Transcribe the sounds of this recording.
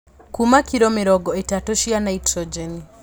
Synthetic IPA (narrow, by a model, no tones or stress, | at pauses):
kumakiɾɔmɪɾɔɡɔetatoʃianaitɾɔd͡ʒɛni